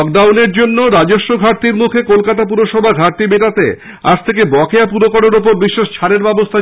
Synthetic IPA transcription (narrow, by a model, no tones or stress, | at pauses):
k̚ɖawneɾd͡ʑonːoɾad͡ʑoʃːoɡʱaɾt̪iɾmukʰekolkat̪ap̬uɾoʃɔbʱaɡʱaɾt̪ibeʈat̪e | a̰d͡ʑt̪ʰek̬ebɔkeap̬uɾokɔɽoɾup̬oɾbiʃːeʃt͡ɕʰaɾeɾbɛbost̪ʰa